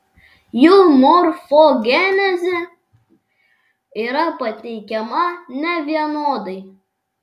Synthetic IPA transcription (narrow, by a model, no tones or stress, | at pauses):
jʊːmɔɾfoɡʲɛːnʲɛzʲɛ | iːɾɐpɐt̪ʲɛɪkʲɛmɐnʲɛʋʲiɛnoːd̪ɐɪ